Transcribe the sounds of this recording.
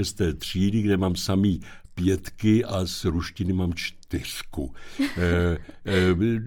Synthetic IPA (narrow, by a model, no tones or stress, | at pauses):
ɛst̪ɛːt̪r̝̥iːdɪɡdɛmaːmsamiː | pjɛt̪kɪʔasɾuʃcɪnɪmaːmt͡ʃt̪ɪr̥ku